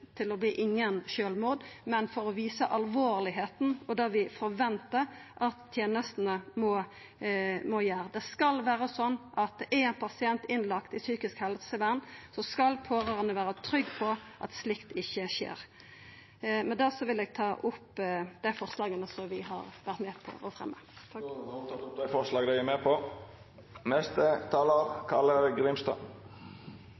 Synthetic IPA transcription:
t̪ʰɪlɔbliːʔɪŋːənʃøːlmuːd̪mɛnfɔɾɔʋiːsəʔɑlʋoːɾlɪɦeːt̪n̩ɔd̪ɑʋɪfɔɾʋɛnt̪əɾʔɑt̪ʰːjeːnəst̪nəmɔ | mɔjæːɾd̪ɛskɑlʋæːɾəsɔnːʔɑt̪̚ʔɛɛnpʰɑsɪɛnt̪ɪnlɑkt̪ɪsyːkɪskhɛlsəʋæʁnːsɔskɑlpʰoːɾøʁənəʋæːɾət̪ʰɾʏɡːpʰɔʔɑt̪slɪkt̪ɪçːəʃḛːɾ | mɛnd̪æʁsɔʋɪlɛɡ̚t̪ʰɑːʔʊpːd̪æɪfɔʁslɑːɡənəsɔmʋɪɦɑ̰ʁʋæʁt̪mɛpʰɔ̰ɔ̰fʁɛ̰mːə̰ | d̪æfɔɾslɑːɡd̪æɪæmepʰɔ | nɛst̪ət̪ʰɑːləɾkʰɑləɾɡɾɪmst̪ɑ̰

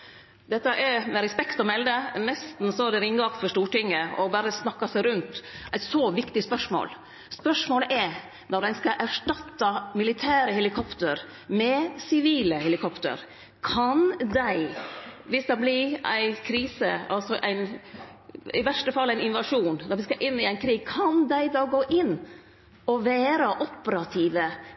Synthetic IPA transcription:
d̪ɛt̪ːəʔɛɾmɛɾɛspɛkt̪ɔmɛld̪ənɛst̪n̩sɔæɖ̪ɛɾɪŋːɑkt̪fɔʂʈuːʈɪŋːəɔbɑɾəsnɑkːɑsæɪɾʉnt̪ʔæɪt̪sɔʋɪkt̪ɪspœʂmo̰ːl | spœʂmoːləʔæ | nɔɾɖ̪æɪskɑʔæʂʈɑt̪ːɑmɪlɪt̪ʰæːɾəhɛlɪkʰɔpt̪əɾ | mɛsɪʋiːləhɛlɪkʰɔpt̪ə̰ɾ | kʰɑnd̪æɪʋɪsd̪ɛblɪɾʔæ̰ɪkʰɾiːsə̰ɑlsɔʔæ̰ɪn | ɪʋæʂʈəfɑlːæɪnɪnʋɑʂuːnnɔɾʋɪskɑʔɪnːɪæɪnkʰɾiːɡ̚kʰɑnd̪æɪd̪ɑːɡoːʔɪnː | ɔʋæːɾəʔɔpːəɾɑt̪ʰiːʋə

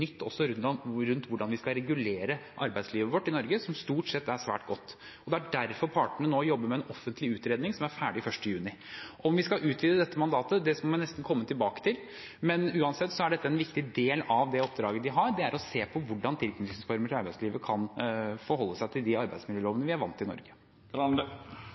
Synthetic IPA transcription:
nʏt̪ʰːɔ̰sːɔɾʉɾʉnt̪ʋʊɖɑnʋɪskɑɾɛɡʉleːɾəʔɑɾbæɪd̪sliːʋəʋɔʈːɪnɔɾɡəsɔmst̪uːʈsɛt̪ːæʂʋæ̰ːʈɡɔt̪ː | ɔd̪ɛæɖæɾfɔɾpʰɑːʈəɳənoːjɔbːəɾmɛɛnɔfːənt̪lɪʉːt̪ɾeːd̪nɪŋsɔmæɾfæːɖɪfœʂʈəjʉːnɪ | ʔɔmʋɪskɑʔʉːt̪ʰʋiːd̪əd̪ɛt̪ːəmɑnd̪ɑːt̪əd̪ɛsmɔmɛnnɛst̪n̩kʰɔmːət̪ʰɪlbɑːkə̥t̪ʰɪl | mɛnʉːɑnsɛt̪ːsɔæɖɛt̪ːəɛnʋɪkt̪ɪd̪eːlɑʋd̪ɛɔpːd̪ɾɑːɡəd̪ɪɦɑɾɖɛæɾʔɔseːpʰɔʋʊɖːɑnt̪ʰɪlknɪsfɔɾməɾɪɑɾbæɪsliːʋəkʰɑnfɔɾhɔlːəsæɪt̪ʰɪld̪ɪɑɾbæɪd̪smɪljøːloːʋənəʋɪæɾʋɑ̰nt̪ːɪnɔ̰ɾɡə

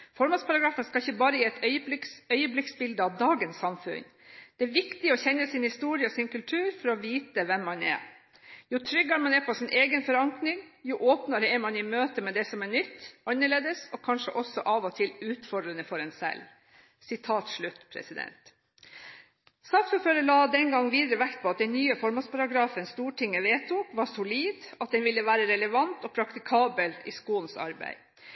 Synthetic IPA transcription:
fɔɾmɑnspʰɑɾɑɡɾɑːfənskɑɪçːəbɑːɾəjiːɛt̪œʏkœʏəblɪksbɪld̪əɑʋd̪ɑːɡənsːɑmfʉ̰n | d̪̥ɛæɾʋɪkt̪ɪɔçɛnːəsɪnhɪst̪uːɾɪəɔsɪnkʉlt̪ʰʉːɾfɔɾɔʋiːt̪əʋɛmːɑnɛ̰ | jʊt̪ʰɾʏɡːɑmɑnɛɾpʰɔsɪnʔeːɡənfɔɾɑŋknɪŋjʊʔoːpnɑɾəɛɾmɑnɪmøːt̪əmɛd̪ɛsɔmɛɳʏt̪ːɑnːəɭeːd̪əsɔkʰɑnʂə̰ʔɔsɔʔɑːʋɔt̪ʰɪlʉːt̪fɔɖɾənəfɔɾɛnsɛ̰l | sɪt̪ʰɑːt̪ʂɭʉt̪ːpʰɾɛ̰sɪd̪ɛ̰nt̪ | sɑk̪fɔføːɾəɭɑːd̪ɛnɡɑŋːʋiːd̪əɾəʋækt̪̚pʰɔɑt̪̚d̪ɛnnyːəfɔɾmɑnspʰɑɾɑɡɾɑːfənst̪uːʈʰɪŋːəʋeːt̪ʰuːkʋɑsʊliːd̪ɑt̪̚d̪ɛnʋɪlːəʋæːɾəɾɛləʋɑnt̪ɔːpʰɾɑkt̪ɪkʰɑːbəlɪ̰skuːənsɑ̰ɾbæ̰ɪ

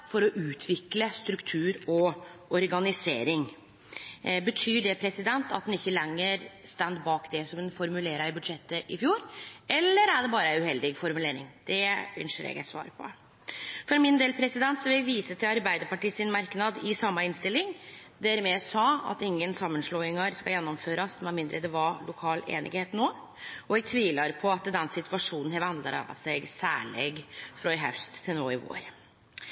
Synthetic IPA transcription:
fɔɾɔʔʉːt̪ʰʋɪkləst̪ɾʉkt̪ʰʉːɾɔɔɾɡɑnɪseːɾɪŋ | bət̪ʰyːɖɛpʰɾɛsɪd̪ɛnt̪ɑt̪̚hɛnɪçːəlɛŋːəɾst̪ɛnd̪bɑːkd̪ɛsɔmɛnfɔɾmʉleːɾəɪbʉd̪ʂɛt̪ːəʔɪfjuːɾɛlːəɾæɖɛbɑːɾəʉhɛld̪ɪɡfɔɾmʉleːɾɪ̰ŋd̪̥ɛʏ̰nʂəɾɛ̰ɡæ̰ɪt̪sʋɑ̰ːɾpʰɔ̰ | fɔɾmɪnd̪eːlpʰɾɛsɪd̪ɛnt̪sɔʋɪljæɡʋiːsət̪ʰɪlɑɾbæɪd̪əɾpɑʈiːsɪnmɑɾknɑd̪ɪsɑmːɑɪnst̪ɪlːɪŋd̪æɾmɛsɑːɑ̰t̪ɪŋːənsɑmːənʂloːɪŋɑɾskɑjɛnːɔmføːɾɑsmɛmɪnd̪ɾʔəd̪ɛʋɑlʊkʰɑːlḛːnʔɪ̰ɡheːt̪noː | ɔɛɡ̚t̪ʰʋiːlɑɾpʰɔɑt̪d̪ɛnsɪt̪ʰʉɑʂuːnn̩hɛʋɑnlə̰ɾɑ̰sɛɡsæ̰ːɭḛɡfɾɔɪɦœ̰ʉst̪t̪ʰɪlnoːɪʋo̰ːɾ

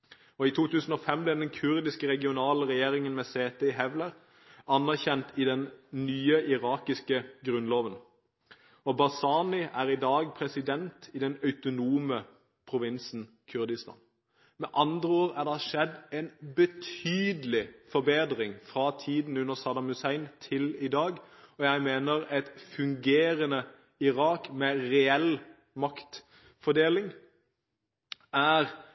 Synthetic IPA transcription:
ɔɪt̪ʰuːt̪ʉːsən̩ɔfɛmːblɛd̪ɛnkʰʉʁd̪ɪskəʁɛɡɪʊnɑːləʁɛjeːʁɪŋənmɛseːt̪əɪɦɛʋləʁ | ɑnːæʁçɛnt̪ʰɪd̪ɛnnyːəʔɪʁɑːkɪskəɡʁʉnloːʋən | ɔbɑsɑːnɪʔæːʁɪd̪ɑːɡ̚pʰʁɛsɪd̪ɛnt̪ʰɪd̪ɛnɑʉt̪ʊnuːmə | pʰʁʊʋɪnsn̩ | kʰʉʁd̪ɪst̪ɑ̰ːn | mɛʔɑnd̪ʁəoːʁæʁd̪ɛhɑʃɛd̪ɛnbət̪ʰyːd̪əlɪfɔɾbeːd̪ʁɪŋfʁɑt̪ʰiːd̪n̩ʉnːəʁsɑːd̪ɑmʉsæɪnt̪ʰɪlɪd̪ɑːɡɔjæɪmeːnəʁɛt̪fʉŋɡeːʁənə | ɪʁɑːkmɛʁɛɛl | mɑkt̪ | fɔd̪eːlɪŋ | æːʁ

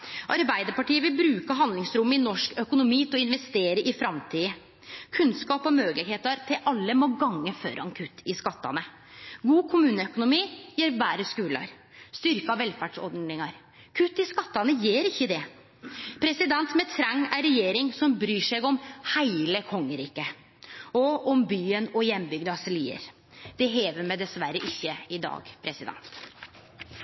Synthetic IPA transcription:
ʔɑɾbæɪd̪əɾpɑʈiːəʋɪlbɾʉːkəɦɑnd̪lɪŋsɾʊmːəɪnɔʂkœkʊnʊmiːt̪ʰɔɪnʋɛst̪eːɾəɾʔɪfɾɑmt̪ʰiːə | kʰʉnskɑːpɔmøːɡəlɪɡheːt̪ɑɾt̪ʰɪlʔɑlːəmoːɡɑŋːəfø̰ːɾɑ̰ŋkʰʉt̪ːɪskɑt̪ːɑ̰nə | ɡuːkʰʊmʉːnəœkʊnʊmiːjiːɾʋæːɾəskʉːlɑ̰ɾ | st̪ʏɾkəɑʋɛlfæɖʂɔ̰ɾɖ̪nɪŋɑɾ | kʰʉt̪ːɪskɑt̪ːɑnəjeːɾɪçːəd̪ɛ | pʰɾɛsɪd̪ɛnt̪mɛt̪ʰɾɑŋːæɾɛjeːɾɪŋsɔmbɾyːʂɛɡɔmhæɪləkʰɔŋːəɾiːkə | ɔɔmbyːənɔjɛnːbʏɡd̪əɑsɪliːə̰ɾ | d̪̥ɛɦeːʋəɾmɛd̪ɛsʋæɾəʔɪçːəɪd̪ɑ̰ːɡpʰɾɛsɪd̪ɛ̰nt̪

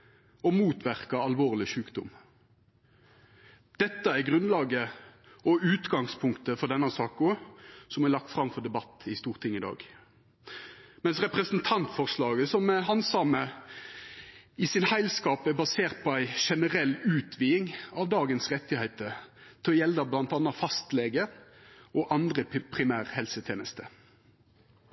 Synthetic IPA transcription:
ɔmuːt̪ʋæʁkɑɑlʋoːʁlɪʃʉːkd̪ʊ̰m | d̪̥ɛt̪ːəæɾɡʁʉnlɑːɡə | ɔʉːt̪ɡɑŋspʰʊŋkt̪əfɔd̪ɛnːɑsɑːkɔsɔmæɾlɑkt̪fɾɑmfɔd̪ɛbɑt̪ːɪst̪uːʁt̪ʰɪŋːɪd̪ɑ̰ːɡ | mɛnsʁɛpɾəsnt̪ʰɑnt̪fɔʁslɑːɡəsɔmɛɦɑnsɑmə | ɪsɪnhæɪlskɑːpæbɑseːʁt̪̚pʰɔæɪʃɛnəɾɛlːʉːt̪ʰʋiːɪŋɑʋd̪ɑːɡənsʁɛt̪ːɪhɛɪt̪ət̪ʰɪɔjɛld̪ɑblɑnt̪ɑːnːɑfɑst̪lɛɡəʔɔʔɑnd̪ɾəpʰɾɪmæːɾhɛlsət̪ʰjeːnəst̪ə

